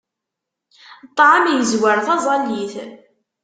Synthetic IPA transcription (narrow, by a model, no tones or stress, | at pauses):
t̪ˤːʕəmjəzwaɾθɑzˤɑliθ